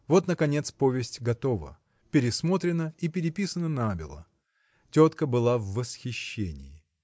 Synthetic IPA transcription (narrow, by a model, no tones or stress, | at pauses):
vo̞t̪nəkɐnʲe̞t̪spovʲɪsʲtʲɡɐt̪o̞və̰ | pʲɪɾʲɪsmo̞t̪ɾʲɪnəipʲɪɾʲɪpʲisənənabʲɪ̰lˠə̰ | tʲot̪kəbɨlˠavːəsxʲɪɕːenʲɪjɪ